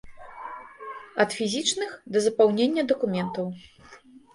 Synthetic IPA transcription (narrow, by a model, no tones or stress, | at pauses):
ɐt̪fʲizʲit͡ʂnɨxd̪ɐzɐpawnʲenʲːɐd̪ɐkumʲɛnt̪ɐw